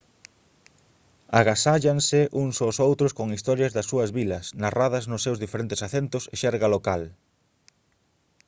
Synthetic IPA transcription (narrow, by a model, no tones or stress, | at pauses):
aɣasaʎaŋsɪʔuŋsosowt̪ɾʊskoŋist̪ɔɾjɐzðɐsːuɐzβilɐsnaraðɐznʊsːewzðifeɾent̪ɪ̥saθent̪ʊsɪʃɛɾɣalokal